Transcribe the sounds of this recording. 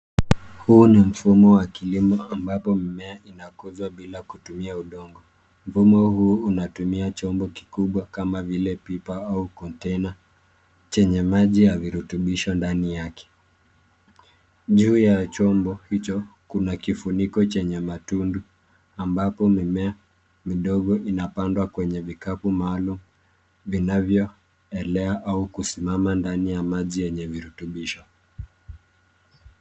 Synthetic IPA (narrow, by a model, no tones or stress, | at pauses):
huːnim̩fumɔwakilimɔambapɔmimɛainakuzwaɓilakutumiauɗɔŋɡɔ | m̩fumɔhuːunatumiat͡ʃɔmbɔki̥kuɓwakamavilɛpipaaukɔntɛna | t͡ʃɛɲɛmaʄijaviɾutuɓiʃɔndanijakɛ̥ | ʄuːjat͡ʃɔmbɔhit͡ʃɔkunakifunikɔt͡ʃɛɲɛmatundu | ambapɔmimɛa | miɗɔɠɔʔinapandwakwɛɲɛvikapumaːlumu | vinavjɔ | ɛlɛaʔaukusimamandanijamaʄijɛɲɛviɾutuɓiʃɔ